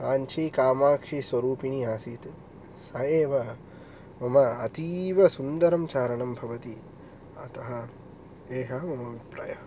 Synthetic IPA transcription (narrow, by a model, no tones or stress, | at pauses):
aːɲt͡ʃʰɐjkaːmaːkʂisʋɐɾuːpiɳiaːsiːt̪ | sɐjeːʋɐ | mɐmɐɐt̪iːʋɐsund̪ɐɾɐmt͡ʃaːɾɐɳɐmbʱɐʋɐt̪i | ɐt̪ɐɦɐ | eːɦɐmɐmɐʋipɾɐːjɐɐ